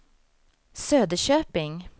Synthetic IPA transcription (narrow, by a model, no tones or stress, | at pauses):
søːd̪əʃøːpɪŋ